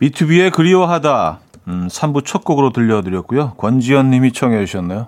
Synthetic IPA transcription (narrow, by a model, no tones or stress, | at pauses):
pitʰubie̞kɯɾiwaɦada | sʰambut͡ɕʰʌk̚k͈oɡɯɾotɯʎːʌdɯɾjʌt̚k͈ujokwʌnd͡ʑiʌnːimit͡ɕʰʌŋed͡ʑuɕʰʌnːajo